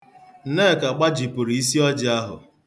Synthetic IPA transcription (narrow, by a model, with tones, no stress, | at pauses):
n̩˦ne˦˨ka˨k͡pa˦d͡ʒi˨pʊ˨ɾi˨i˦si˦ɔ˦d͡ʒɪ˨a˦ɦʊ̰˨